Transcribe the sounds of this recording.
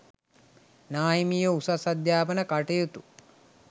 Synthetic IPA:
naːjjmijəusasad̪jaːpənəkaʈejot̪u

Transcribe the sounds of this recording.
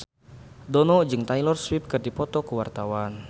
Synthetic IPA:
dɔnɔd͡ʒɨŋt̪ajlɔrswip̚kɨrdipɔt̪ɔkəwart̪awan

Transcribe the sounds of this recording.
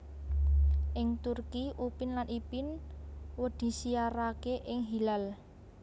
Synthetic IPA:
ʔɪŋt̪urkiʔupɪnlanʔipɪnwəd̪̥i̤siaɾakeʔɪŋɦilal

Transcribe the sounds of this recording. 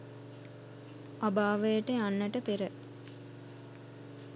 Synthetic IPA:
abaːʋəjəʈeanːəʈəpeɾə

